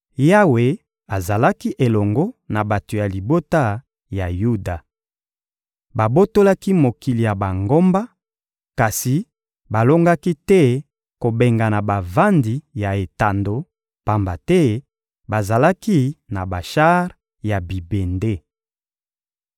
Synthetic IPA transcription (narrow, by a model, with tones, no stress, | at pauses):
ja˦we˨ | a˨za˨la˦ki˦ʔe˨lɔ˨ŋɡɔ˦na˨ba˨to˨ja˨li˨bo˦ta˦ | ja˨ju˦da˨ | ba˨bo˦to˦la˦ki˦mo˨ki˨li˨ja˨ba˨ŋɡo˦mba˦ | ka˨si˨ | ba˨lo˦ŋɡa˦ki˦tɛ˦ | ko˨be˨ŋɡa˨na˨ba˨va˦ndi˨ja˨e˨ta˨ndo˨ | pa˨mba˨tɛ˦ | ba˨za˨la˦ki˦na˨ba˨ʃa˦ʁ | ja˨bi˨be˨nde˦